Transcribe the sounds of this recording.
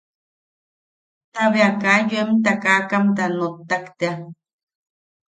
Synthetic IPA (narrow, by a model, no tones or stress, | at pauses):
t̪aβeakajuemt̪akakamt̪anot̪ːakt̪ea